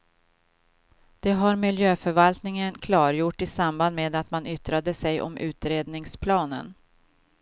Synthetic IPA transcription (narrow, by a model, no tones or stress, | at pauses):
d̪̥ɛɦaɾmɪljøːfœɾvalt̪nɪŋənkʰlɑːɾjʊʈːɪsamband̪meːd̪at̪manʏt̪ɾad̪əsɛjʔɔ̰mʔʉ̟ːt̪ɾeːd̪nɪŋspʰlɑːnə̰n